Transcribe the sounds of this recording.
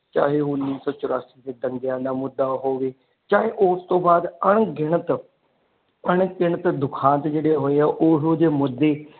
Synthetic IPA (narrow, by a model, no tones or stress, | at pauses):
t͡ʃa̰ːɦeːɦʊnːiːsɔːt͡ʃʊɾaːsiːd̪eːd̪əŋɡɪjãːd̪aːmʊd̪ːaːɦoːʋeː | t͡ʃaːɦeːʔʊːst̪õːbaːd̪əɳɡɪɳ̃ət̪ | əɳkɪɳət̪d̪ʊkʰãːnt̪d͡ʒeːɽeːɦoːeːaːʔoːɦoːd̪eːmʊd̪ːeː